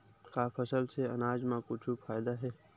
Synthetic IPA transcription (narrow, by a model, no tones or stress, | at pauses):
kapʰəsəlseɐnaːd͡ʒmãkʊt͡ʃʰufʰaːɪd̪aɦɛː